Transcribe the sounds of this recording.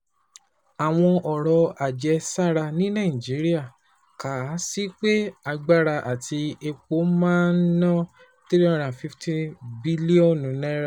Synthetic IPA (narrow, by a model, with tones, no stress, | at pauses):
a˨w̃ɔ̃˧ʔɔ˨ɾɔ˧a˨d͡ʒɛ˧sa˦˨ɾa˧nĩ˦nã˦˨d͡ʒi˨˦ɾi˦a˦˨ | ka˨˦si˦k͡pe˦a˧ɡ͡ba˦˨ɾa˧ʔa˨tʰi˧e˧k͡po˨˦mãː˦n̩˦nɔ̃˦ | te˦ɾɔ̃˦˨ɾ̃ã˨fi˦fti˦bi˦li˦õ˦˨nũ˨˦nɛ̃˦ɾa˧˨